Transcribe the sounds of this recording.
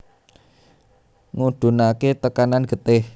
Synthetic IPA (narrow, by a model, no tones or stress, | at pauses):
ŋuɖ̪̥ṳnaket̪əkananɡ̥ə̤t̪ɪh